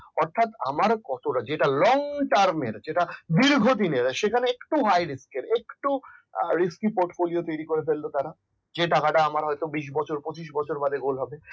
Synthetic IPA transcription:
ɔɾt̪ʰat̪a̰maɾkɔt̪oʈad͡ʑeʈalɔŋʈaɾmeɾd͡ʑeʈad̪iɾɡʱod̪ineɾʃekʰaneekʈuɦajɾiskeɾekʈuɾiskipoɾʈfoliot̪ojɾikoɾefʰelːot̪aɾa | d͡ʑeʈakaʈaamaɾɦɔjt̪obiʃ̬bɔt͡ɕʰoɾpot͡ɕiʃ̬bɔt͡ɕʰoɾbad̪eɡolɦɔbe

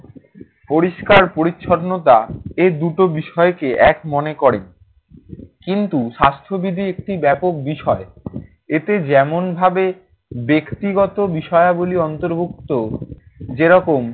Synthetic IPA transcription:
poɾiʃkaɾpoɾitːʃʰoɾnot̪̬aed̪uʈobiʃɔekeʔɛkmonekɔɾen | kint̪uʃast̪ʰobid̪ʱiek̚ʈibɛpok̚biʃɔe | et̪ed͡ʑɛmonbʱabe | bekt̪iɡɔt̪obiʃɔeaboliɔnt̪oɾbʱuk̚t̪o | d͡ʑeɾɔkom

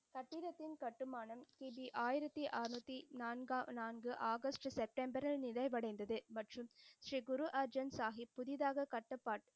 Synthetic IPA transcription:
kɐʈːɪðɐt̪ːɪnkɐʈːɯmaːnɐmk̪iːbiʔaːjɪɾɐt̪ːiʔaːɾnɐt̪ːinaːnɡaːnaːnɡɯʔaːɣɐsʈsɛp̚ʈɛmbɐɾɪlnɪðɐɪʋɐɽɐɪnd̪ɐðɯmɐʈrɯmʃɾiːɡʊɾuʔɐɾd͡ʒɐnsaːɣipːʊðɪðaːɣɐkɐʈːɐpːaːʈ

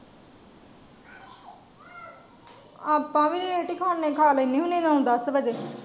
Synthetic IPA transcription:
aːpːãːʋiːɾiɾeːʈiːkʰaːnːẽːkʰaːlɪnːẽːɦũneːnãũd̪əsbəd͡ʒeː

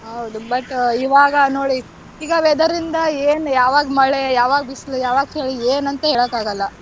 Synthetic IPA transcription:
ɦɐwd̪ubɐʈːiʋaːɡɐnoːɽi | iːɡɐʋed̪ɐɾind̪ɐeːnjaːʋaːɡmɐɭejaːʋaːɡɐbislujaːʋaːɡheːɭieːnɐnt̪ɐɦeːɭɐkːaːɡɐlːɐ

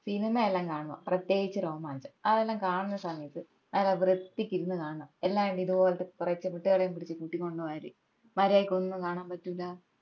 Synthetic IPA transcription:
sinɐmaelːaːmkaːɳumo̰prɐt̪je̞ːɡit͡ɕːɨɾo̞ːmaːnit͡ɕːɨ̥ɐðelːaːmkaːɳunːɐsɐmɐjɐt̪ːɨ | nɐleʋrɨt̪ːikʲːiɾunːɨkaːɳɐɳɐelːaːʋeɳɖiðuʋoːlɐt̪ːekurɐt͡ɕːɨmiʈːɨɣɐɭejumpiɽit͡ɕːɨkuʈːikʲːo̞ɳɖɨʋaːɾḭ | mɐɾaːjikʲːonːukaːɳaːmpɐtːulːɐ

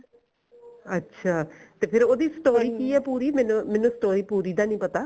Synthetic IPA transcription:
ətːʃʰaːt̪eːpʰɪɾoːd̪iːsʈoːɾiːkiːɛːpuːɾiːmɛːnũmɛːnũːsʈoːɾiːpuːɾiːd̪aːnĩːpət̪aː

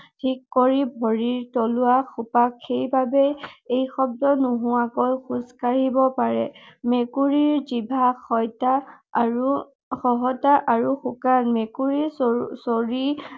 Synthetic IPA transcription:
tʰikːoɹibʱɔɹiɹtolʊaxupakʰːejbabɛejxɔb̚dɔnuɦʊakɔjxuskaɹibɔpaɹɛ̰mekuɹiɹzibʱaxɔjtaɹu | xɔɦɔtaʔaɹuxukanmekuɹiɹsoɹi

